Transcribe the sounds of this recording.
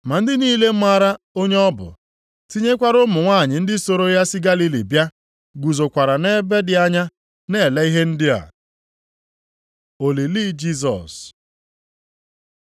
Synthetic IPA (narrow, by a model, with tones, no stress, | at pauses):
ma˨n̩˦dɪ˦niː˦le˦m̩˦ma˦ɾa˦ | o˦ɲe˦ɔ˦bʊ̰˨ | ti˦ɲe˦kʷa˦ɾʊ˦mʊ˨ŋʷa˦˨ɲɪ˨n̩˦dɪ˦so˨ɾo˦ja˦sɪ˦ɡa˦li˦lḭ˨bja˦ | ɡʷu˨zo˨kʷa˨ɾa˨ne˦be˦dɪ˨a˦ɲa˦ | ne˦˨la˦i˦ɦe˦n̩˦dɪ˦a̰˨ | o˨li˨li˦d͡ʒi˦s̬ɔ̰˨s